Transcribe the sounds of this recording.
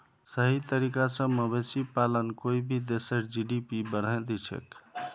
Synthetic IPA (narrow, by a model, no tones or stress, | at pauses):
səɦit̪əɾikasə̃məbesipalənkoibʱid̪esəɾd͡ʒiɖipibəɽəd̪it͡ʃʰḛk